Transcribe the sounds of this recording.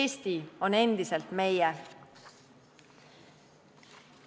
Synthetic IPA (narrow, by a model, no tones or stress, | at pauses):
ist̪ione̞nd̪iselt̪mejɛ